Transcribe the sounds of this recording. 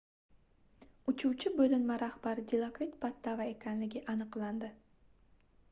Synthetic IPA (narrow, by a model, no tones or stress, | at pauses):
ʊt͡ʃʰuwt͡ʃʰɪbɵlɪlmaɾahbaɾɪd̪ʲilˠakɾit̪̚pʰat̪ːavae̞kʲʰanlɪɡʲɪʔanɨqlˠand̪ɪ